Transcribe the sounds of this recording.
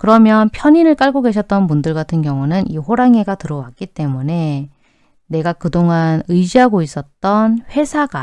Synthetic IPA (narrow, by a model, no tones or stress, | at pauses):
kɯɾʌmjʌnpʰjʌɲinɯɭk͈aɭɡoɡe̞ɕʰʌt͈̚ʌnmundɯɭɡatʰɯnɡjʌŋunɯniɸoɾaŋeɡatɯɾʌwak̚k͈it͈e̞mune̞ | ne̞ɡakɯdoŋanɯjd͡ʑiɦaɡois͈ʌt̚t͈ʌnɸwe̞sʰaɡ̥a